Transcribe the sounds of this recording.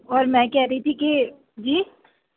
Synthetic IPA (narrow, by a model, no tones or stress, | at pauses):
ɔːɾmɛ̃ːkɛɦɾɐɦit̪ʰike | d͡ʒiː